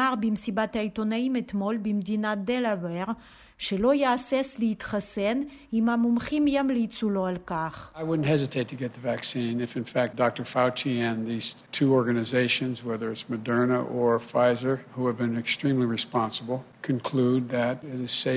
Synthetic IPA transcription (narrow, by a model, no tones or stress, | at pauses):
aʁbimsibat̪ait̪onaimet̪molbimd̪inad̪elaveʁ | ʃelojaasesleit̪χasen | imamumχimjamleit͡suloalkaχaɪwʊdⁿn̩t̚ɦɛzɨtʰeɪtʰɨɡɛt̪̚ðəvæksĩnɨfɨ̃nfæk̚d̥ɑk̚tə˞faʊt͡ʃiɨ̃nðiz̥tʰuɔɹɡɨnɨzeɪʃɨ̃nzwɛðə˞ɨtsmɨdɜ˞nəʔə˞faɪzə˞huɨvbɨ̃nɨkstɹ̥ĩmliɹispɑ̃nsəbl̩ˠ | kʰɨ̃nkʰl̥ud̪̚ðɨɾɪɾɨz̥se